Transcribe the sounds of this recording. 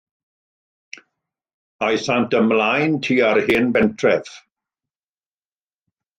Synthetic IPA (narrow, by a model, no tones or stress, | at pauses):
ajsantəmlajntʰiːarhɪnbɛntʰrɛð̥